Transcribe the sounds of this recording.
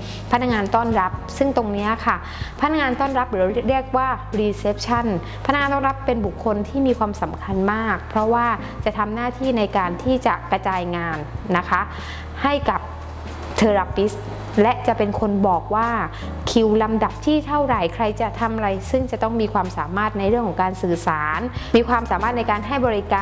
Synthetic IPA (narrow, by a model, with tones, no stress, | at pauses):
pʰa˦˥t̪na˥ŋaː˧nt̪ɔː˥˩nɾa˦˥p̚sɯ˥˩ŋt̪o˧ŋni˦˥ɐkʰa˥˩ | pʰa˦t̪̚na˥ŋaː˧nt̪ɔː˥˩nɾa˦˥p̚ɾɯː˩˦ɾɾi˦˥˩ək̚waː˥˩ɾiː˧se˦˥p̚t͡ɕʰa˥˩n | pʰa˦˥na˦˥ŋaː˧t̪ɔː˥˩nɾa˦˥pːe˧nbu˨˩kʰːo˧nt̪ʰiː˥˩miː˧kʰwaː˧msa˩˦mkʰa˧nmaː˥˩k̚pʰɾɔ˦˥waː˥˩ | t͡ɕa˨˩t̪ʰa˧mnaː˥˩t̪ʰiː˥˩na˧jkaː˧nt̪ʰiː˥˩t͡ɕa˨˩kɾa˧t͡ɕaː˧jŋaː˧nːa˦˥kʰa˦˥ | ha˥˩jka˨˩p̚ | t̪ʰɤː˧ɾa˨˧˥pi˦˥s | lɛ˦˥ʔt͡ɕa˨˩ʔpe˧nkʰo˧nbɔː˨˩k̚waː˥˩ | kʰi˨˩wla˧mda˨˩p̚t̪ʰiː˥˩t̪ʰa˥˩wɾa˨˩jkʰɾa˧jt͡ɕa˨˩t̪ʰa˧m˧ɾa˧jsɯ˥˩ŋt͡ɕa˨˩t̪ɔ˥˩ŋmiː˧kʰwaː˧msaː˩˦maː˥˩t̪̚na˧jɾɯ˥˩əŋkʰɔː˨˩˦ŋkaː˧nsɯː˨˩saː˩˦nmiː˧kʰwaː˧msaː˨˩˦maː˥˩t̪̚na˧jkaː˧nɦa˥˩jbɔː˧ɾi˦˥kaː˧